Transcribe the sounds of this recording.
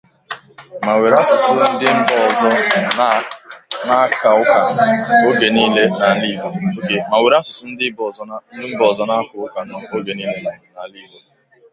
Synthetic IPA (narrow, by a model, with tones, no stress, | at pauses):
ma˨we˨ɾa˦sʊ˨sʊ˦n̩˦dɪ˦m̩˦bɔ˦ɔ˨zɔ˦ | na˦ka˨ʊ˦ka˨˦o˦ɡe˨niː˦le˦na˨li˦˨ɦo˨o˨ke˨ma˨we˨ɾa˦sʊ˨sʊ˦n̩˦dɪ˦bzn̩˦ɪ˦m̩˦bɔ˦˨zɔ˦na˦kʊ˨ʊ˦ka˨n˨o˦ɡe˨niː˦le˦˨na˨li˦˨ɦo˨